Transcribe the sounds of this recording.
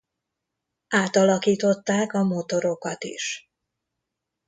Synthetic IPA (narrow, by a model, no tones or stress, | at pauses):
ʔaːt̪ɒlɒkiːt̪o̞t̪ːaːkɒmot̪o̞ɾo̞kɒt̪ḭʃ